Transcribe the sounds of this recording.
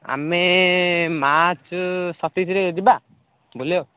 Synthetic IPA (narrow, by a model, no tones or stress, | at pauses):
a̰me | mat͡ʃsɔt̪isɾeed͡ʒiba | bolo